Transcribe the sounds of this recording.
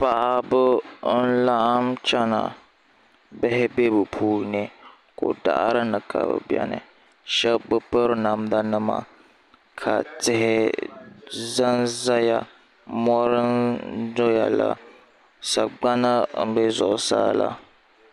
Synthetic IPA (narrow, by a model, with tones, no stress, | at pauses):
pa˨ʔa˨bɨ˦n̩˦la˦ʔmt͡ʃa˦na˨ | bɪ˦ɦɪ˦be˦bɨ˨pʰuː˦nɪ˨ | ko˨da̰˦ʔɾɨ˦nɨ˨kʰa̰˨bɨ̰˨bjɛ̰˦nɨ̰˨ | ʃɛ˦bbɨ˦pɨ˦ɾɨ˦na˨m˦da˦nɨ˦ma̰˨ | kʰa˨tɪ˦ɦɪ˦ | za˦nza˦ja˨ | mɔ˦ɾɨ˦ndo˦ja˨la˨ | sa˨ɡ͡ba˦na˦n̩˦bɛ˦zʊ˨ʔʊ˨saː˦la˦